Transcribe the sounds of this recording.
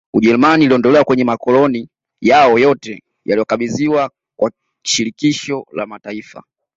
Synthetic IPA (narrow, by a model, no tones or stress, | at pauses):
uʄɛɾumaniːliɔndɔlɛwakwɛɲɛmakɔlɔni | jaɔjɔtɛ | jalijɔkaɓiziwa | kwa | ʃiɾikiʃɔla̰mataifa̰